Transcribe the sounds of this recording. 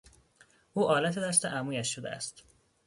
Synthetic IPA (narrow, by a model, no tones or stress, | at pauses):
ʔuːʔɒːlæt̪ʰed̪æst̪eʔæmuːjæʃːod̪ḛæ̰st̪